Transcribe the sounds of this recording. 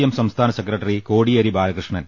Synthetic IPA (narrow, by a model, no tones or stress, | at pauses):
jɐmsɐmst̪ʰaːnɐsekrɐʈːɐrikoːɽiɐɾibaːlɐkrɨʂɳɐn